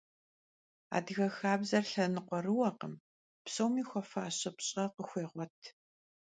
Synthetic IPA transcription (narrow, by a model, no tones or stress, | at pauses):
a̰ːdɣɐxaːbzɐrɬɐnɨqʷɔrɨwɐqəm | psʼowmiːxʷɔfaːɕɐpɕʼɐqəxʷeːʁʷɔtʰ